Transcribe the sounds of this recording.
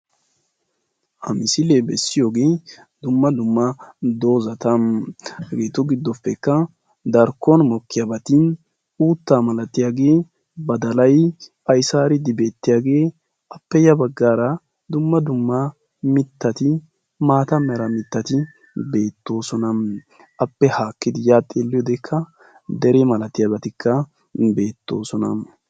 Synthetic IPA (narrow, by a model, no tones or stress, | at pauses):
ʔɐmɪsɪleːbɛsːɪjoːɡeː | d̪ʊmːɐd̪ʊmːɐd̪o̞ːzɐt̪ɐmhɐɡeːt̪ʊɡɪd̪ːɔpːɛkːɐ | d̪ɐɾkːonmɔkːɪjabɐt̪in | uːt̪ːaːmɐlɐt̪ːɪjaːɡe̞ː | bɐd̪ɐlɐj | ɐjsaːɾɪd̪ɪbe̞ːt̪ːɪjaːɡe̞ː | ʔɐpːɛjɐbɐɡːaːɾɐ | d̪ʊmːɐd̪ʊmːɐ | mɪt̪ːɐt̪ɪ | maːt̪ɐmɛɾɐmɪt̪ːɐt̪ɪ | be̞ːt̪ːo̞ːsɔnɐm | ʔɐpːɛhaːkːɪd̪ɪjaːt̪ʼːeːlːɪjɔd̪ɛkʰːɐ | d̪ɛɾemɐlɐt̪ːɪjabɐt̪ɪkːɐ | be̞ːt̪ːo̞̰ːsɔnɐ̰m